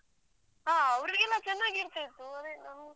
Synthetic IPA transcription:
ɦaːɐʋɾɾiɡɛlːat͡ʃɛnːaːɡiɾt̪aːjt̪ːuɐd̪enɐm

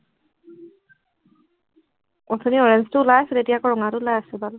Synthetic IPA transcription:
ɔtʰɔniɔɹɛnstʊulajasɛtetijakɔɹɔŋatʊʊlajasɛbal

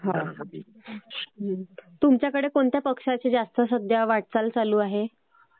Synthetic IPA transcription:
ɦã | t̪umt͡ɕjakəɽekoɳt̪japəkʂat͡ɕed͡zast̪əsəd̪ʱjaʋaʈ̚t͡salt͡saluːaɦe

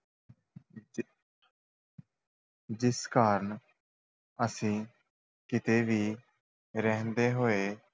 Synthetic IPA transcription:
d͡ʒɪskaːɾəɳ | əsĩː | kɪt̪eːʋiː | ɾəɦə̃nd̪eːɦoːeː

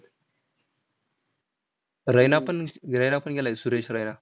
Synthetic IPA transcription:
ɾajnanɾajnapunɡʲalasuɾeʃɾajna

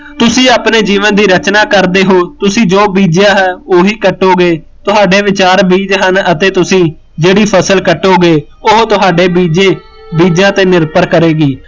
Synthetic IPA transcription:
t̪ʊsĩːaːpneːd͡ʒiːʋənd̪iːɾət͡ʃnaːkəɾd̪eːɦoːt̪ʊsĩːd͡ʒoːbiːd͡ʒjãːɦɛːoːɦiːkəʈːoːɡeː | t̪ʊɦaːɖeːʋɪt͡ʃaːɾbiːd͡ʒɦənət̪eːt̪ʊsĩː | d͡ʒeːɽiːpʰəsəlkəʈːoːɡeː | ʊɦt̪ʊɦaːɖeːbiːd͡ʒeː | biːd͡ʒjãːt̪eːnɪɾpəɾkəɾeːɡiː

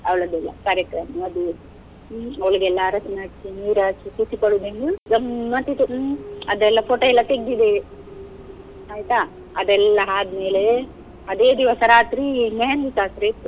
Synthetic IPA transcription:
ɐʋɭɐd̪ɛlːɐ̰kaːɾjɐkɾɐmɐɐd̪eːd̪u | ɐʋɐɭiɡɛlːaːɾɐsmaʈt͡ʃiniːɾaːt͡ʃikusipɐɽud̪eŋɡuɡɐmːɐt̪it̪uɐd̪ɛlːɐpʰoːʈoːɛlːɐt̪eɡːid̪e | aːjt̪a | ɐd̪ɛlːɐɦaːd̪meːle | ɐd̪eːd̪iʋɐsɐɾaːt̪ɾimeːɐnisaːt̪ɾet̪ːu

